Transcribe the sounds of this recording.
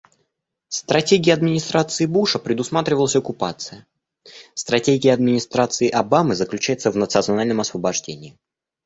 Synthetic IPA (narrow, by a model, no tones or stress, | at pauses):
st̪ɾɐtʲeɡʲɪəɐd̪mʲɪnʲɪst̪ɾat̪sɨɪbuʂəpɾʲɪd̪ʊsmat̪ɾʲɪvəlˠəsʲɐkʊpat̪sɨjə | st̪ɾɐtʲeɡʲɪjəɐd̪mʲɪnʲɪst̪ɾat̪sɨɪʔɐbamɨzəklʲʉt͡ɕæjɪt̪səvnət̪sɨɐt̪snalʲnəmɐsvəbɐʐdʲenʲɪː